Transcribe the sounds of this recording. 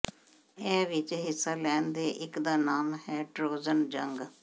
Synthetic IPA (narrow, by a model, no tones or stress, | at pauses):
ɛːʋɪt͡ʃɦɪsːaːlɛːnd̪eːʔɪkd̪aːnaːmɦɛːʈɾoːzənd͡ʒəŋɡ